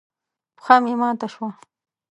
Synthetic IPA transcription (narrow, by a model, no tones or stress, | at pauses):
pxamimɑːt̪aʃwa